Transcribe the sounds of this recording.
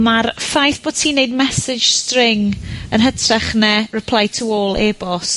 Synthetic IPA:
marfajθb̥oːd̥̚tʰiːneɨd̚mɛsɪ̥ʒ̥strɪŋənɦətʰrɛχnɛrɪpʰl̥ˠajtʰuoːlˠeːbɔs

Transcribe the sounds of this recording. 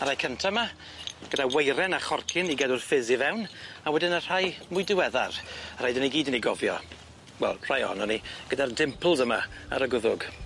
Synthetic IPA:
aɾajkʰəntʰama | ɡ̥ədawejɾɛnaχɔrkʰɪniɡɛdʊrfɪzivɛwnawɛdɪnər̥ajmʊjdɪwɛðarar̥ajdəniɡiːdəniɡɔvjɔ̰ | wɛ̰lˠr̥ajɔ̰ɔnɔniɡ̥ədardɪmpʰl̩ˠzəma̰a̰ɾəɡʊðʊɡ

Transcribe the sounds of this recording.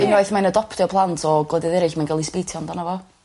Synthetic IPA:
ɪnɔɨθmajnədɔpʰtɪɔpʰlˠantʰɔɡlɔdɪðɛɾɪɬmanɡɛlˠispiːtʰjɔndanavɔ

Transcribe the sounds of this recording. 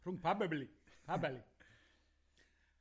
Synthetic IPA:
ɾuŋpabablipabali

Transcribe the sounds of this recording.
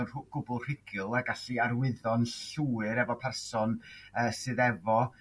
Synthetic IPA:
ɡ̥ʊbʊlˠr̥ɪɡ̥ɨlˠaɡaɬiaɾwɪðɔnɬuɨɾɛvɔpʰɛrsɔnəːsɨːðɛvɔ

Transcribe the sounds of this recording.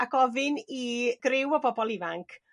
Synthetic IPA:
aɡɔvɪniɡ̥rɪwɔbɔbɔlˠɪvaŋkʰ

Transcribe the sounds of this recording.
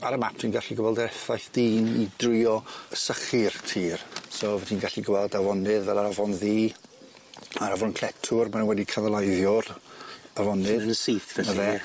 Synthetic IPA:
aɾəmap̚ʰtʰiːnɡaɬiɡəvɛlˠdrɛθajθd̥iːnidrɪɔsəχɨrtʰiːrsoːvɛdʰiːnɡaɬiɡəvɛlˠdavɔnɨðvɛlˠaɾavɔnðiː | aɾavʊnkʰl̥ˠɛtʰʊrmanənwɛdikʰanalˠajðjɔravɔnɨðsiθɛnəvɛ

